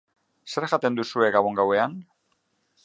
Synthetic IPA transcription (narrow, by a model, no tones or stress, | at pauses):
se̞ɾʝat̪e̞nd̪usue̞ɡaβo̞ŋɡawe̞an